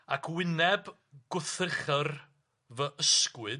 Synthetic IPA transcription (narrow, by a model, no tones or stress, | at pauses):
akʰwɪnɛb | ɡ̥ʊθrɪχər | vəʔəskwɨ